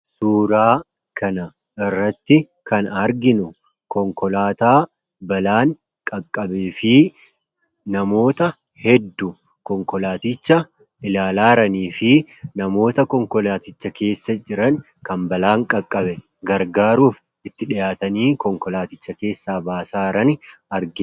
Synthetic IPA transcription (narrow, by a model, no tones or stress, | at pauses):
suːɾaː | kʰɐnɐ | ʔɪrːɐt̪ːɪ | kɐnɐɾɡɪnʊ | kɔŋkɔlaːt̪aː | bɐlaːŋ | kʼɐkʼːɐbeːfɪ | nɐmo̞ːt̪ɐ | hɛd̪ːʊ | kɔŋkɔlaːt̪ɪt͡ʃːɐ | ɪlaːlaːɾɐniːfɪnɐmo̞ːt̪ɐkɔŋkɔlaːt̪ɪt͡ʃːɐke̞ːsːɐd͡ʒɪɾɐn | kɐmbɐlaːŋkʼɐkʼːɐbɛ | ɡɐɾɡaːɾuːf | ɪt̪ːɪᶑɪjaːt̪ɐniːkɔŋkɔlaːt̪ɪt͡ʃːɐke̞ːsːaːbaːsaːɾɐnɪɐɾɡɪ